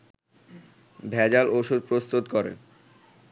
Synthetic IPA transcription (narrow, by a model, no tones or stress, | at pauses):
bʱɛd͡ʑaloʃud̪̚pɾost̪ot̪kɔɾḛn